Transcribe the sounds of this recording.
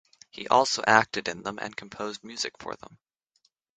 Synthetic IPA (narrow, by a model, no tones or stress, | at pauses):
hiʔɔlˠsoʊʔæk̚tɨɾɨ̃nðə̃mʔɨ̰̃nkʰm̩pʰoʊzd̚mjʉzɨkfə̰˞ðə̰̃m